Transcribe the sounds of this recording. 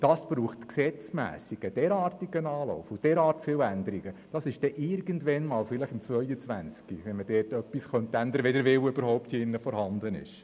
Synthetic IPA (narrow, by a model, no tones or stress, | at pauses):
d̥ɑsb̥ruːχtksɛt͡smæ̰ːsiɡ̥əd̥ɛɾɑːrtiɡənɑːlɔ̰ʊfud̥ɛːɾɑːrtfɪːwænd̪əɾiɡəd̥ɑsɪʃd̥ɛʔɪɾɡəntʋɛnmɑːlfɪləχɪmt͡svœjət͡sʋænt͡skiʋɛnmədɛːtœpːisχœnt̪ːænd̪əɾʋedəɾʋɪwøbəɾhɔʊp̚tiɪnːəfɔɾhɑnd̪ənɪ̰ʃ